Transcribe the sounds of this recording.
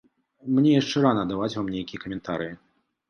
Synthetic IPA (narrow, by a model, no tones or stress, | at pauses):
mnʲɛjaʂt͡ʂɛɾanɐd̪avat͡sʲvamnʲejkʲijɛkɐmʲɛnt̪aɾɨji